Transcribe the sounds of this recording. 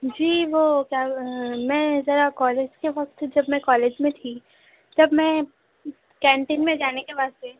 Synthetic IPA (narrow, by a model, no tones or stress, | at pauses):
d͡ʒiːʋokjaːmɛ̃ːzɐɾakɔːleːd͡ʒkeʋɐk̚t̪d͡ʒɐbmɛ̃kɔːleːd͡ʒmẽt̪ʰi | t̪ɐbmɛ̃ | kɛ̃ːɳʈɪnmẽd͡ʒaːnekeʋaːzt̪e